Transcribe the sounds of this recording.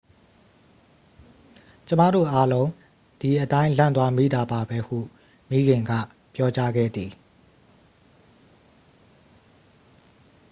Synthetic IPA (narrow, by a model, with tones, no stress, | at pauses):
t͡ɕə˦ma̰˦˨ɾo̰˦˨ʔa˦lõ˦ʊ̃ | d̥i˨ʔətã˦ɪ̃lã̰˦˨nt̪wa˦mḭ˦˨d̪a˨ba˨bɛ˦hṵ˦˨ | mi˦ɡɪ̃˨ŋɡa̰˦˨ | pjɔ˦t͡ɕa˦ɡɛ̰˦˨d̪ði˨